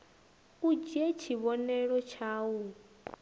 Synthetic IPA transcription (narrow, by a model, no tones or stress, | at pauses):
ud͡ʒɛt͡ʃʰiβɔnɛɺɔt͡ʃʰaːwu